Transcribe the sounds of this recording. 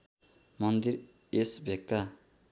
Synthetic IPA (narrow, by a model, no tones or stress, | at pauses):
mʌnd̪iɾ | esbʱekːa